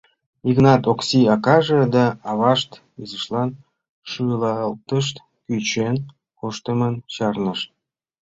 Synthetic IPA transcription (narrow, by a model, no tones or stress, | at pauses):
iknɑt̪oksiɑkɑʒed̪ɑɑβɑʃt̪ | izəʃlɑn | ʃulɑlt̪əʃ̬t̪ | kyt͡ɕen | koʃt̪əmənt͡ɕɑrnəʃt̪̚